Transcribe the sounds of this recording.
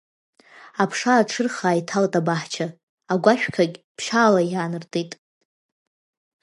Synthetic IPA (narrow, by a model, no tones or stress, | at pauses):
apʰʂaːʈ͡ʂʰɨrχaːjtʰaltʼabaħt͡ʃʰa | aɡʷaʃᶣkʰakʲʼpʰʃaːlajaːnɨrtʰʼitʼ